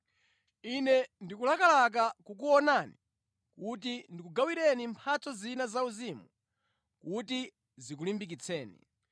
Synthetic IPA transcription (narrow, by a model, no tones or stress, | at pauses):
inɛndikulakalak̬akukuɔnani | kutindikuɡawiɾɛnimpʰat͡sɔzinazauzimu | kuti | zik̬ulimbik̬it͡sʰɛːnḭ